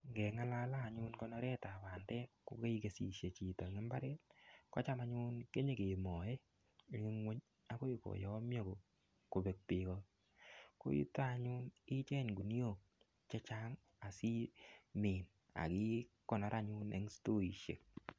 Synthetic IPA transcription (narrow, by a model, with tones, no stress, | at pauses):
ŋɡɛ˨ŋa˦la˦laː˦˨ɲu˦nkɔ˦nɔ˦ɾɛ˦ta˨ba˨ndɛ˦ko˨˦ke˦i˦ke˨si˨ʃe˨t͡ʃi˨tɔ˨ŋe˦mba˦ɾɛ˦tkɔ̰˦t͡ʃa˦ma˨ɲu˦nke˦ɲe˨ke˨mɔ˨e˦˨ | ŋi˦ŋwe˦ɲ | a˨ko˦i˨ko̰˨jɔ˨˦mjɔ˦ko˨ | ko˨be˨k̚pɪ˨kɔ˦ | ko̰˦jḭ˦ta˦˨ɲu˦nɪ˦t͡ʃɛ˦ɲɡu˨n˦o˨ | t͡ʃɛ˦t͡ʃa˦ŋ | a˨si˦meː˨n | a̰˨ki˦kɔ˨nɔ˦ɾʔa˨ɲu˦nḛ˨˦ŋsto˦i˨ʃḛ˨k̚